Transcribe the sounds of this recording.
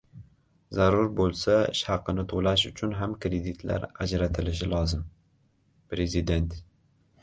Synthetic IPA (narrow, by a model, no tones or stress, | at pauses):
zæɾuɾbolˠsɛɪ̰ʃhæqːɨnɪt̪ʰolæʃ̬ʊt͡ʃʰʊnɦæmkʰɾed̪it̪ʰlæ̰ɾæd͡ʒɾɛt̪ʰɪlɪʃ̬ɪlɑːzɨm | pɾezid̪ent̪